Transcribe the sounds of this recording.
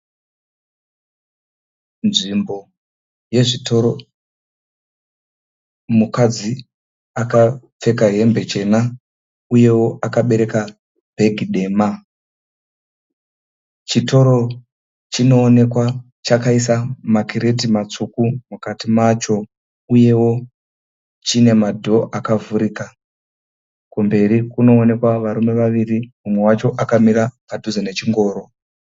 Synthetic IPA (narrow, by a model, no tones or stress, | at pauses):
nʐimbo̞ | je̞ʐito̞ɾo | mukad͡zi | aka | p͡fe̞kaɦe̞mbe̞t͡ʃe̞na | uje̞wo̞ʔakaɓe̞ɾe̞ka | b̥ʱe̞ɡʱiɗe̞ːma | t͡ʃito̞ɾo̞ | t͡ʃino̞ːne̞kwa | t͡ʃakaisamakiɾe̞timat͡sukumukatimat͡ʃo̞ | uje̞wo̞ | t͡ʃine̞madʱo̞ʔakavuɾika | kumbe̞ɾikuno̞ːne̞kwaʋaɾume̞ʋaʋirimumwe̞wat͡ʃo̞ʔakamiɾapadʱuzane̞t͡ʃiŋɡo̞ːɾo̞